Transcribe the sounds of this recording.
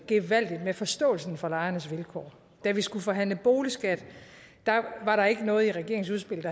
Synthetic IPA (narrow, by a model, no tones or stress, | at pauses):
ɡ̥e̝ʋæl̰d̥id̥mefɒ̽sd̥ɔ̰̽ːl̩sn̩fɒ̽lɑ̈ɪɐnəsʋelkʰɒ̰ː | d̥æʋisɡ̥ufɒ̽ɦæn̰ləb̥o̝ːlisɡ̥æd̥ | d̥ɑ̈ʋɑ̈ɾɑ̈e̝ɡ̥ənɔ̽ːð̩ˠiʁɛɡ̥e̝ɐeŋs̬uð̞ˠsb̥e̝l̰d̥ɑ